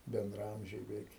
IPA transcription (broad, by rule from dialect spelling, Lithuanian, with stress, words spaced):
bʲɛndrɐˈɐmʲʒʲɛɪ bʲɛˈʋʲɛɪk